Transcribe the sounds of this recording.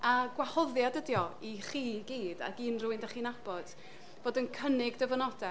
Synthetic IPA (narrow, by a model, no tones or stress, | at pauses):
aɡwahɔðjadədjɔiχiːɡiːda̰ɡiːnruːɨndaχiːnab̥ɔd̥ | v̥oːdənkʰənɪɡdəvənɔdɛ